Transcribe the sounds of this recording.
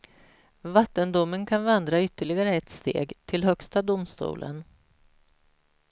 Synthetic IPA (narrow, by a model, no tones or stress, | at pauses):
vat̪ːənd̪ʊmːənkʰanvand̪ɾaʏt̪ːəɭɪɡaɾəɛt̪st̪ḛːɡt̪ʰɪlɦœkst̪ad̪ʊmst̪ṵːlʔə̰n